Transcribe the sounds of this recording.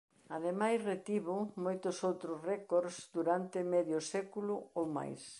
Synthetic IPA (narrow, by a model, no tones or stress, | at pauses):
aðemajsret̪iβʊmojt̪ʊsowt̪ɾʊsrɛkoɾzd̪uɾant̪ɪmeðjʊsɛkulʊowma̰js